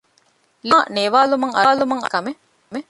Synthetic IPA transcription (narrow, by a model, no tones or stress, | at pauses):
liːneʋaːlumɐŋɐːlumɐŋɐkɐme | me